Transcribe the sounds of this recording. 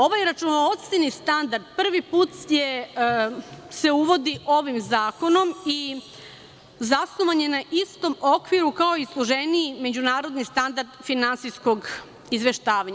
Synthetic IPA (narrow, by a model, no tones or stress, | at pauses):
o̞ʋajɾat͡ʃunoot̪sinist̪and̪aɾd̪pr̩ʋipuːt̪je | se̞uʋo̞d̪iʔo̞ʋimzaːko̞no̞mi | zasnoʋaɲe̞naʔist̪o̞mo̞kʋiɾukao̞islˠuʒeniːme̞d͡ʑunaːɾo̞d̪nist̪and̪aɾd̪finansijsko̞ɡ | izʋe̞ʃt̪aːʋaɲa